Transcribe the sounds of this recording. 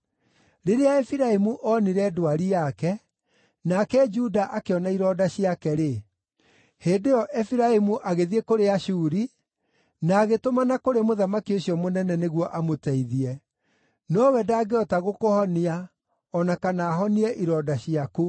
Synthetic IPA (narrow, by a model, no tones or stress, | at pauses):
ɾeɾeaɛfiɾaemuʔɔniɾɛdoaɾijakɛ | nakɛd͡ʒudaʔakeɔnaiɾɔːdaɕiakɛɾe | heːndejɔʔɛfiɾaemuʔaɣeðiekoɾeaɕuːɾi | naːɣetomanakoɾemoðamakioɕiɔmonɛnɛneɣwɔʔamotɛiðiɛ | nɔwɛdaːɡeɔtaɣokohɔnia | ɔnakanaːɦɔniɛʔiɾɔːdaɕiako